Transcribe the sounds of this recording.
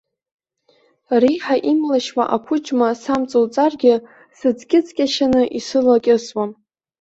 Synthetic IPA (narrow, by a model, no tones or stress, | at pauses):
riħaʔimlaʃwa̰ʔapʰʊt͡ʃʼmasamt͡sʼolt͡sʼarɡʲɪ | sɨd͡zɡʲɪt͡sʼkʲʼaʃanɨʔisɨlakʲʼɪswam